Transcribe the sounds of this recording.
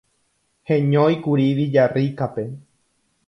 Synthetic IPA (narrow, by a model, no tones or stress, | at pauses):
hẽɲõikuɾiʋid͡ʒarikape̞